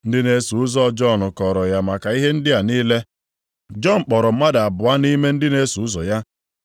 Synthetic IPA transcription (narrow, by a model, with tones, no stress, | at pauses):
n̩˦dɪ˦ne˦su˨ʊ˦zɔ˦˨˦d͡ʒɔ˦˨nʊ˨kɔ˨ɾɔ˨ja˦ma˨ka˨i˦ɦe˦n̩˦dɪ˦a˨niː˦le˦ | d͡ʒɔ˦˨n̩˨k͡pɔ˨ɾɔ˨m̩˦ma˦da˨bʊ˨a˦ni˦me˦n̩˦dɪ˦ne˦su˨ʊ˦zɔ˨ja˦